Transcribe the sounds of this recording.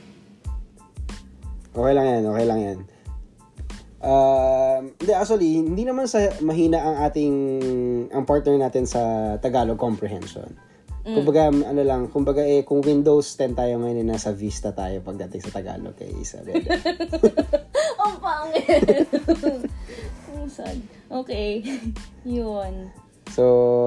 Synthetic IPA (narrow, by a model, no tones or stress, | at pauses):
ʔoːkɛjlɐŋjanʔoːkɛjlɐŋjan | ʔamɪnd̪ɛak̪̚ʊɐlihɪhɪnd̪inɐmansɐmɐɦiːnɐʔɐŋʔaːt̪ɪŋ | ʔɐŋpaɹt̪nɛɹnaːt̪ɪnsɐt̪ɐɡaːlokompɾɛɦɛ̰nʃo̰n | kʊmbɐɡaʔɐnolɐŋkʊmbɐɡaʔɛkʊŋwĩnd̪owst̪ɛnt̪aːjomɐjonɛnaːsɐvist̪ɐt̪a̰ːjopɐɡ̚d̪ɐt̪ɪŋsɐt̪ɐɡa̰ːlo̰kɐ̰jsɐ̰b̪ɛd̪ɛ | ompaŋ | osɐd̪̚ | ʔoːkej | jon | so